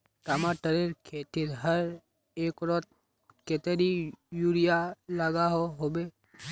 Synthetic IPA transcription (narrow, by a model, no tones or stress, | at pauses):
ʈamaʈəɾeɾkʰet̪iɾɦəɾ | ekɾɔt̪̚ | ket̪eɾijuɾijaləɡaɦoɦobe